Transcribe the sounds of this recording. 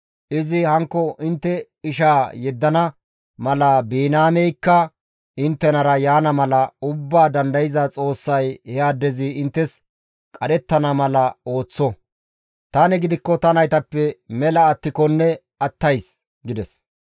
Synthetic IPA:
ʔɪzɪhɐŋkːɔʔɪnt̪ːɛ | ɪʃaːjɛd̪ːɐnɐ | mɐlɐbiːnaːmɛjkːɐ | ɪnt̪ːɛnɐɾɐjaːnɐmɐlɐʊbːaːd̪ɐnd̪ɐjɪzɐt͡sʼo̞ːsːɐjhɛaːd̪ɛzɪɪnt̪ːɛs | kʼɐɗɛt̪ːɐnɐmɐlɐo̞ːt͡sːɔ | t̪ɐnɛɡɪd̪ɪkːɔt̪ɐnɐjt̪ɐpːɛmɛlɐːt̪ːɪkɔnːɛ | ɐt̪ːɐjs | ɡɪd̪ɛs

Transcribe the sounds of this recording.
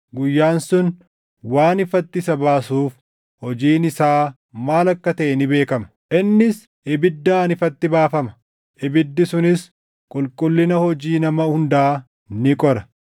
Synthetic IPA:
ɡʊjːaːnsʊn | waːnɪfɐt̪ːɪsɐbaːsuːf | hɔd͡ʒiːnɪsaː | maːlɐkːɐt̪ɐʔɛnɪbe̞ːkɐmɐ̥ʔɪnːɪs | ʔɪbɪd̪ːaːnɪfɐt̪ːɪbaːfɐmɐ̥ | ʔɪbɪd̪ːɪsʊnɪs | kʼʊlkʼʊlːɪnɐhɔd͡ʒiːnɐmɐhʊnd̪ɐaː | nɪkʼɔɾɐ̥

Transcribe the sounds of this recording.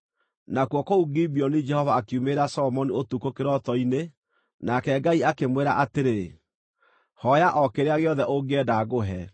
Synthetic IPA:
nakwɔkouɡibiɔnid͡ʒɛhɔvaːkiumeɾasɔɔmɔniotukokeɾɔtɔine | nakɛɡaiakemweɾaʔateɾe | hɔjaʔɔkeɾeaɣeɔðɛʔoɡɛdaɣoɦɛ

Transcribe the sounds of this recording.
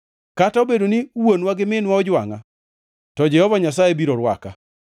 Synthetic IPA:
kataobedoniwonwaɡɪmɪnwaɔd͡ʒwaŋa̰ | tɔd͡ʒɛhɔvaɲasajebiɾoɾwa̰ka

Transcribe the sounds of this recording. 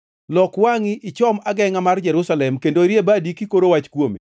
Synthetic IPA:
lɔkwaŋiʔɪt͡ʃɔmaɡɛŋamard͡ʒɛɾʊsalɛmkendoɾjebadikikoɾowat͡ʃkwomḭ

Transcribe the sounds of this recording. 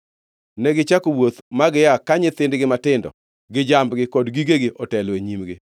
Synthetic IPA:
nɛɡɪt͡ʃakowot̪maɡɪjakaɲɪt̪ɪndɡɪmatɪndɔ̰ | ɡɪd͡ʒambɡɪkɔdɡiɡeɡɪʔɔtɛleɲimɡɪ

